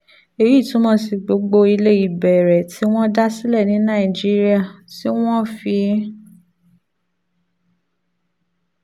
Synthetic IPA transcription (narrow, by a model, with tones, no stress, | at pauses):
e˧ji˦˨tũ˨˦mɔ̃˧˦s̬i˨ɡ͡bo˧˦ɡ͡bo˧i˧le˦i˦˨bɛ˨ɾɛ˨tʰi˨˦w̃ɔ̃˦da˦si˦lɛ˦˨nĩ˨˦nã˦˨i˨d͡ʒi˦ɾi˦a˦˨ti˦w̃ɔ̃˦fi˧˦